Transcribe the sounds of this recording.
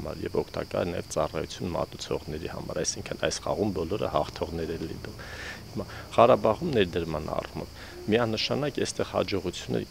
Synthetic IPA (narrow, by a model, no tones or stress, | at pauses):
mɑ̰ɾjɛ̰vɔkʰt̪ɑkɑ̰jɛnɑjɛvt͡sɑrɑjut͡sʰjunmɑ̰t̪ut͡sʰɔ̰ʁnɛɾihɑ̰mɑɾɑjsiŋkʰənɑjsχɑʁumbɔlɔɾə̰hɑχt̪ʰɔʁnɛɾɛlːḭnumhimɑʁɑɾɑbɑʁumnɛɾd̪əɾmɑnɑ̰rumɔv | miɑnəʃɑnɑkɛst̪ɛʁhɑ̰d͡ʒɔʁut͡sʰjunːɛ̰ɾ